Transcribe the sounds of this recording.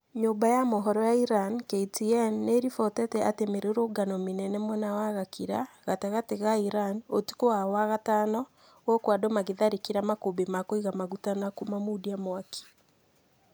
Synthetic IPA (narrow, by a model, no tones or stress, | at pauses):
ɲoːbajamoɦɔɾɔjaiɾankeitiɛnːeɾifɔtɛtɛatemeɾoɾoɡanɔmenɛnɛmwɛnawaɣakʰiɾa̰ɣataɣateɣaiɾanoti̥koawaɣatanɔ | ɣɔkwadomaɣeðaɾikiɾamakobemakoiɣamaɣutanakumamudiamwaki̥